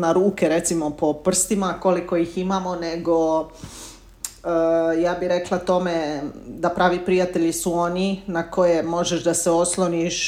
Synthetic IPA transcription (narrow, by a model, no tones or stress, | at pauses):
naɾuːkeɾe̞t̪simo̞po̞pr̩st̪imako̞liko̞jiximamo̞neɡo̞ | əjaːbiɾe̞klˠat̪o̞med̪apɾaːʋipɾijat̪e̞ʎisuo̞ninako̞jemo̞ʒeʃd̪aseo̞slˠoniʃ